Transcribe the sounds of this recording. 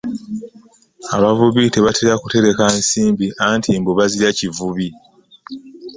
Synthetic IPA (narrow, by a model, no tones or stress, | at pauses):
aβavuβite̞βatʰeɾakute̞ɾe̞kansiːmbiʔantʰimboβaziɾacivuβi